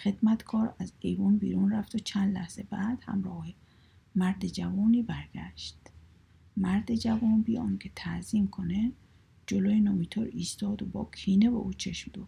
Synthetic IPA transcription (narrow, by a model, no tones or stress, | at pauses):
xe̞d̪̥mæt̪kʰɒːɾæzejvuːnbḭːɾuːnræft̪ot͡ʃʰænd̪læ̰hz̥e̞bæːd̪̥hæ̰mɾɒːhe | mæɾd̪ed͡ʒævɒːniːbæɾɡ̥æʃt̪ | mæɾd̪ed͡ʒævɒːnbiːɒ̰ːncʰet̪ʰæʔziːmkʰone | d͡ʒolojenɒːmit̪ʰoɾiːst̪ɒːd̪obɒ̰ːkʰiːnebḛʔuːt͡ʃʰeʃmd̪u̥ː